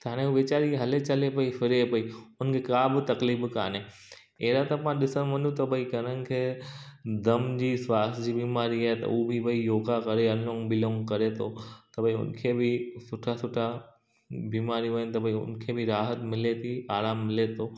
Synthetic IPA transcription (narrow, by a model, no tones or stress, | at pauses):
t̪ʰaːɽ̃ẽuʋet͡ɕaːɾiɦɐlet͡ɕɐlepɐifɪɾepɐiʊnəkʰekaːbɪt̪ɐkliːbɪka̰ːne | eːɾat̪ɐpãɗɪsəñʋɐ̃nũt̪ɐbʱɐikɐɾənɪ̆kʰeː | d̪ɐmd͡ʑiːswaːst̪d͡ʑiːbiːmaːɾiaːɦet̪ɐ̰uːbʱibʱɐijoːɡakɐɾeɐnõːŋbɪlõːŋkɐɾet̪ʰot̪ɐbʱɐiʊ̰nkʰeːbɪsʊʈʰasʊʈʰa | biːmaːɾiʋɐɲənt̪ɐbʱɐiʊ̰nkʰebʱɪɾaːɦət̪mɪlet̪ʰiaːɾaːmːɪlet̪ʰoː